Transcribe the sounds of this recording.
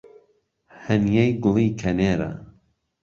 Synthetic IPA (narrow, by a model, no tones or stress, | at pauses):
hɐnjejɡʊlˠiːkʰɐneːɾa̰